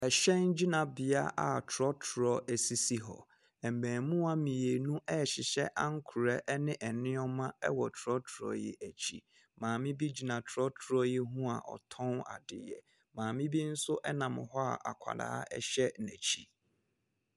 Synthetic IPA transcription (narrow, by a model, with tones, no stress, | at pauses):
ɛ˨ɕɛ˦n˦d͡ʑi˦nã˨bɪ˨a̰˦ʔa̰˨tʰʊ˨ɾɔ˦tʰʊ˨ɾɔ˦ʔæ˨si˨si˦ɦɔ̰˨ | ɛ˨m̩˨bæ̃ː˨mũ˦a˦mĩ˨e˨nũ˦ʔɛ˦˨ɕɪ˨ɕɛ̰˦ʔa˦ŋ̩˦kʰʊ˨ɾɛ˦ʔnɪ̃˦ʔɛ˨nɪ̃˦ɔ˦mã˦ɛ˦wɔ˨tʰʊ˨ɾɔ˦tʰʊ˨ɾɔ̰˦jɛ̰˨ʔæ˨t͡ɕʰḭ˨ | mãː˨mɪ̃˦bi˦d͡ʑi˦nã˨tʰɾɔ˦tʰʊ˨ɾɔ˦jɛ˦ɦũ˦a̰˨ʔɔ̰˨tʰɔ̃˦na̰˨dɪ̰˨jɛ̰˨ | mãː˨mɪ̃˦bi˦n̩˦sʊ˦ʔɛ˦nã˨mɪ̃˨ɦɔ˦a̰˨ʔa̰˨kʷʰa̰˨da̰ː˦a̰˦ɛ̰˦ɕɛ˦næ̰˨t͡ɕʰi˦